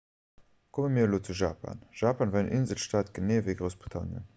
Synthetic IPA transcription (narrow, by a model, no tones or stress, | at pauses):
kʰoməmiːloːt͡suʒaːpʰa̰nʒ̥aːpanvanʔinzəlʃtaːt̪ɡ̥əneːveɡʁəʊsb̥ʁitʰɑ̰njə̰